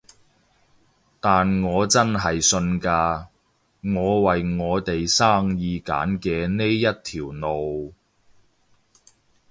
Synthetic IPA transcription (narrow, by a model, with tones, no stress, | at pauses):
t̪aː˨nŋɔː˨˧t͡sɐ˥nɦɐ˨jsɵ˧nkaː˧ | ŋɔː˨˧wɐ˨jŋɔː˨˧t̪e˨jsaː˥ŋjiː˧ka̰ː˨˥nkɛː˧ne˥jːɐ˥t̚t̪ʰiː˨˩wno˨w